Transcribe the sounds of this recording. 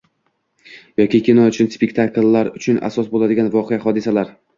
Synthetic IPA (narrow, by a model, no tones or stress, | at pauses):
jɒkʲɪkʲinɒʊt͡ʃʰɪnspʲekʲt̪ʰaklːaɾʊt͡ʃʰʊna̰sɒsbolad̪ɪɡʲanvɒqʰeahɒd̪ɪsalaɾ